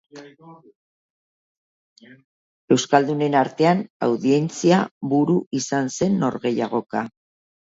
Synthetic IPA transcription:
e̞wskald̪une̞naɾt̪e̞ana̰wðie̞nt͡siaβuɾuʔisanse̞nːo̞̰ɾɣe̞jaɣ̞o̞ka

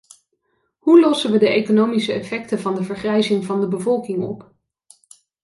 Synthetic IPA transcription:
ɦulɔsəʋədəejkonowmisəɛfɛk̚təvɑndəvəɹχrɛjzɪŋvɑndəbəvɔlˠkɪŋɔp

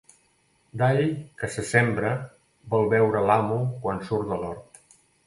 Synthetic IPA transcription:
d̪aʎkəsəsɛmbɾə | bɔlˠβɛwɾəlamukwansuɾd̪əlɔɾt̪

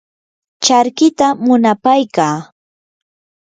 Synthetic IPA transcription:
t͡ʃaɾkɪt̪amʊnapajkaː

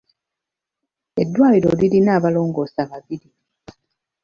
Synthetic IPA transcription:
e̞dːwaːliɾo̞lilinaːβalo̞ːŋɡo̞ːsaβaβiɾi

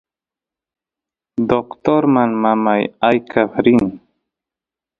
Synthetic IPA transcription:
d̪ɔkt̪oɾmanmamajajkʰafɾin

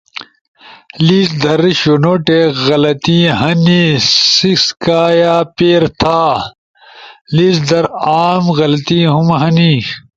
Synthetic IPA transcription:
liːsd̪ɐɾɕonoʈeɣɐlɐt̪iɦɐnisiskaːjaːpeːɾt̪ʰaː | liːsd̪ɐɾaːmɣɐlɐt̪iːɦumɦɐni

